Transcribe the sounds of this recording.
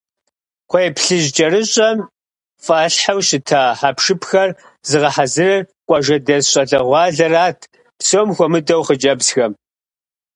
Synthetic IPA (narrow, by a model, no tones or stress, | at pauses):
qʷʰɔjpʰɬɨʑd͡ʒʼɐɾɨɕʼɐm | fʼaːɬħawɕɪtʰaːħapʂɨpʰxɐr | zɨʁɐħazɨrɐrkʷʼɑʒɐdɐzɕʼɐɮɐʁʷɑːɮɐraːtʰ | psoːmxʷɔmɨdɐwχəd͡ʒʼɐbzxɐm